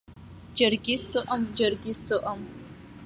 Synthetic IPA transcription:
d͡ʒɐrɡʲisɨʔɐmd͡ʒɐrɡʲisɨʔɐm

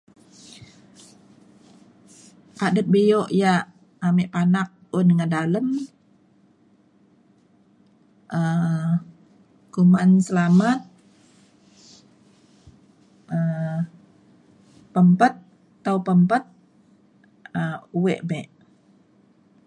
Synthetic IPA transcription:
padəp̪̚bijoʔjaʔ | ameʔpanak̚undəŋadaləm | ʔə | kumansəlamat̪̚ | ə | pəmpət̪̚ː | aupəmpət̪̚ | əuweʔbɛʔ

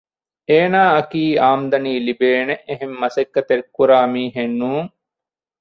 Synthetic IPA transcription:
eːnaːɐkiːaːmd̪ɐniːlibeːneʔeɦemːɐsekːɐt̪eɾikːuɾaːmiːɦenːuːŋ

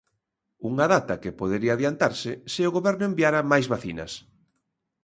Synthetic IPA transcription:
uŋaðat̪ɐkepoðeɾiaðjant̪aɾsɪsɪʊɣoβɛɾnʊembiaɾamajzβaθinɐ̰s

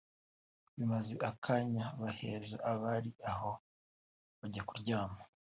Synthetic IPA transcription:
βimazeʔakʰaɲaβahe̞ːzaʔaβaɾiaho̞ | βaɟakuɾɟaːma

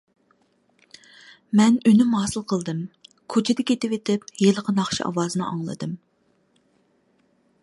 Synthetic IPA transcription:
mɛnynymɦɑːsɨlˠqʰəlˠd̪ɨm | kʰot͡ʃʰɪd̪ɪkʲet̪ɪwet̪ʰɪpjelˠəqʰənɑχʃḭʔɑ̰wɑːzɨnɨʔɑ̰ŋlˠɨ̰d̪ɨm

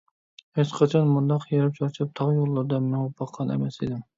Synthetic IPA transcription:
het͡ʃqʰɑt͡ʃʰɑnmund̪ɑqjeɾɪp̚t͡ʃʰɑɾt͡ʃʰɪp̚t̪ʰɑʁjolˠːɨɾd̪ɑmɛnʊpʰːɑqʰːɑnɛ̰mɛsid̪ɪm

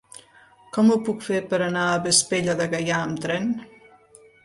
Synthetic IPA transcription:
kɔmupukfepəɾənaəβəspeʎəðəɣəjaəmt̪ɾɛn

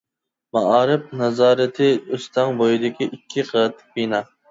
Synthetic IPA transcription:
mɑʔɑːɾɪp̚nɑzɑːɾɪt̪ʰɪøst̪ʰɑŋbojid̪ɪkʲʰiʔikʲʰːiqʰət̪̚ʰːbinɑ

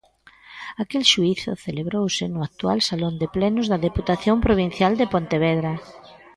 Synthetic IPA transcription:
akelʃuiθʊ̰θeleβɾowsɪnʊak̚t̪ualsalond̪eplɛnʊzðɐðeput̪aθjompɾoβ̞in̟θjald̪ɪpont̪eβ̞ɛðɾa

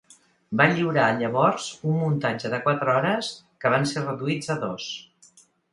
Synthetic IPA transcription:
baʎiwɾaːʎəβɔɾzummunt̪ad͡ʒəðəkwat̪ɾəɔɾəs | kəβ̞anserəðuid͡zəðos

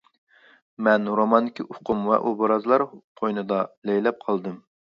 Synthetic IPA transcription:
mɛnɾomɑnd̪ɪkʲʰiʔʊqʰumwɛ̰ʔubɑɾɑzlˠɑɾqʰojnɨd̪ɑlɛjlɛp̚qʰɑlˠd̪ɨm

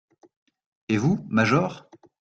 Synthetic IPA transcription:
evumaʒɔʁ

